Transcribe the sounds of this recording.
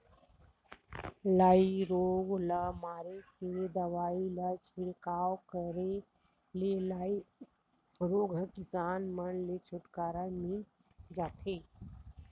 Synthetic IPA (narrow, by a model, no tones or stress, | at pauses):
laiɾoːɡləmaːɾeked̪əʋaːilət͡ʃʰɪɽkaːwkəɾe | lelai | ɾoːɡʱkisaːnmənlet͡ʃʰʊʈkaːɾamin | d͡ʒaːt̪ʰe